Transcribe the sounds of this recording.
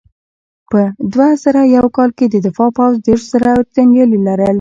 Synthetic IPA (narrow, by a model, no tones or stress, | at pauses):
pəd̪wazəɾajawkɑlked̪əd̪ɪfɑpawzd̪eɾʃz̥aɾat̪anjɑlilaɾəl